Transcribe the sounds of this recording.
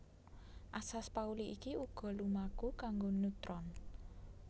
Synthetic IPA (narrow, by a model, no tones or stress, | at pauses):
ʔasaspauliʔikiuɡ̥ɔ̤lumakukaŋɡonut̪ɾɔn